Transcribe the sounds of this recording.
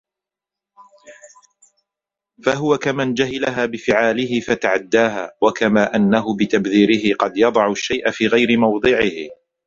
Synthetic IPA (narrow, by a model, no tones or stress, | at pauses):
faɦʊwakamand͡ʒaɦɪlaɦaːbɪfɪʕaːlɪhɪfat̪aʕad̪ːaːɦaːwakamaːʔanːaɦʊbɪt̪abðiːɾɪɦɪqɑd̪jɑd̪ˤɑʕʊʃːajʔafiːɣajɾɪmɑwd̪ˤɨʕɪh